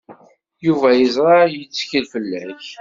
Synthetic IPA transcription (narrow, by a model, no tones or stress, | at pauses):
juvæjəzɾˤɑjət͡sːçəlfəlːæç